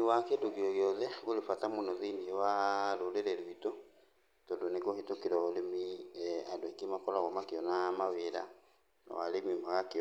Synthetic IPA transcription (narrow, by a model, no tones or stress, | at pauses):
iwakeduɡioɣjoðeɣulifatamunoðiniwaluliɾeluito | todunikohitokiɾolimiadwekimakolaɣomakionamaβiɾa̰ | na̰wa̰limimaɣakio